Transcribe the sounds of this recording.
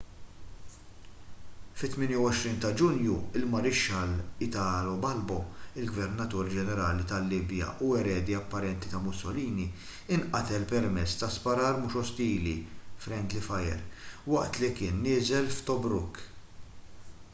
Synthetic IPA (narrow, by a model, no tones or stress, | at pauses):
fɪt̪ːmɪːnjɐwɔʃɾiːnt̪ɐd͡ʒʊnjuɪlmɐɾɪʃːɐlɪt̪ɐːlɔbɐlbɔɪlɡvɛɾnɐt̪uːɾd͡ʒɛnɛɾɐːlit̪ɐlːiːbjɐ̰ʔuɛɾɛːd̪iɐpːɐɾɛnt̪it̪ɐmʊsːɔliːni | ɪnʔɐt̪ɛlpɛɾmɛt͡sːt̪ɐspɐɾɐːɾmʊʃɔst̪iːlifɾɛnd̪lifɐjɛ̰ɾwɐʔt̪likɪːnːɪːzɛlft̪ɔbɾʊkː